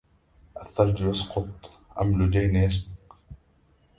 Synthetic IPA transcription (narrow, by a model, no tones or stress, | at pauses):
ʔaθːɑɾˤd͡ʒjasqʊt̪ˤ | ʔa̰mlʊd͡ʒajnjas̬bʊq